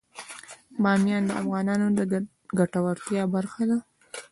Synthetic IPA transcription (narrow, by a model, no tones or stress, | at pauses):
bɑmjɑnd̪əafɣɑnɑnod̪ə | ɡaʈawaɾt̪jɑbaɾxad̪a